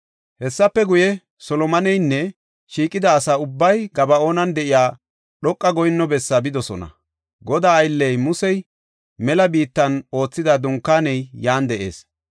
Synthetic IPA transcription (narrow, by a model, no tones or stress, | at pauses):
hɛsːɐpːɛɡʊjɛ | sɔlɔmɐnɛjnːɛ | ʃiːkʼːɪd̪ɐːsaːʊbːɐjɡɐbɐo̞ːnɐnd̪ɛʔɪjaː | ɗɔkʼːɐɡɔjnːɔbɛsːɐbɪd̪ɔsɔ̰nɐ̰ | ɡɔd̪aːjlːɛjmʊsɛj | mɛlɐbiːt̪ːɐno̞ːt͡sːɪd̪ɐd̪ʊŋkːaːnɛjjaːnd̪ɛʔe̞̰ːs